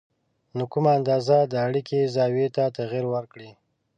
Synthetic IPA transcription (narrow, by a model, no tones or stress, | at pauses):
nokumaːnd̪ɑzad̪əːɽikʰezɑwet̪at̪aɣiɾwəɾkɽi